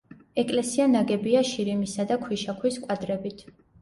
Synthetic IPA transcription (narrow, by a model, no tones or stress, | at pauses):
ɛkʼlɛsianaɡɛbiaʃiɾimisad̪akʰwiʃakʰwiskʼwad̪ɾɛbit̪ʰ